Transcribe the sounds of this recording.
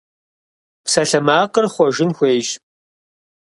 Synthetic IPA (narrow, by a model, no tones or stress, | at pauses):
psɐɬɐmaːqərχʷɔʒɪnxʷeːʒ